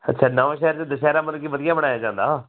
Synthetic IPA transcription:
ə̰tːʃʰaːnaːʋãːʃɛːəɾt͡ʃd̪əʃɛːɾaːmənkibəd̪ɪjãːbəɽaːjaːd͡ʒãːnd̪a̰ː

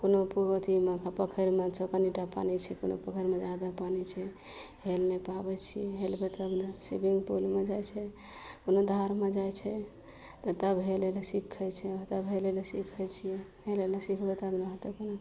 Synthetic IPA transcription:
konoput̪imekapəkʰəɾmet͡ʃokəniʈapa̰nit͡ʃʰɛkono̰pəkʰəɾmed͡ʒad̪apanit͡ʃʰɛ | ɦelnepabɛt͡ʃʰijɛɦelbɛt̪əbnasibiŋɡpulmed͡ʒajt͡ʃʰɛ | konod̪ʱaɾmed͡ʒajt͡ʃʰɛ | t̪ət̪əbɦelelesikʰːɛt͡ʃʰɛt̪əbɦelelesikʰɛt͡ʃʰijɛ | ɦelelesikʰbɛt̪əbneɦət̪ekono

